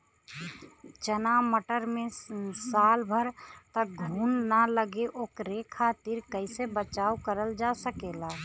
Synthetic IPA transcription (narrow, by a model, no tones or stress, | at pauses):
t͡ʃənaməʈəɾmẽsaːlbʱəɾt̪ək̚ɡʱuːnːaləɡeʔoːkɾekʰat̪iɾkəɪsebət͡ʃaːukəɾəld͡ʒasəkeːlaː